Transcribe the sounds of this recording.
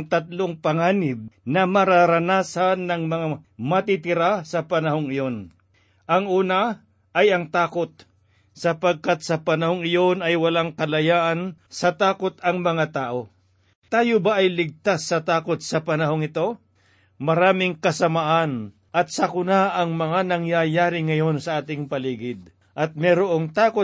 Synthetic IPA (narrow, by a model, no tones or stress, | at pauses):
ŋt̪ɐt̪loŋpɐŋaːnɪb̚nɐmɐɾaɾɐnaːsanːɐŋmɐŋamɐt̪ɪt̪ɪɾasɐpɐnɐɦoŋɪjo̞n | ʔɐŋʔuːna | ʔɐjɐŋt̪aːko̞t̪̚ | sɐpɐɡ̚kat̪̚sɐpɐnɐhoŋɪjo̞nɐjwɐlaŋkɐlɐjaːʔɐnsɐt̪aːko̞t̪ɐŋmɐŋat̪aːʔo̞ | t̪aːjobaʔɐjlɪɡ̚t̪asːɐt̪aːkot̪̚sɐpɐnɐɦoŋɪt̪o̞ | mɐɾaːmɪŋkɐsɐmaʔan | ʔɐt̪̚sɐkʊnaʔɐŋmɐŋanɐŋjajaːɾɪŋɐjo̞nsɐʔaːt̪ɪŋpɐliːɡɪd̪̚ | ʔɐt̪̚mɛɾoʔo̞ŋt̪aːko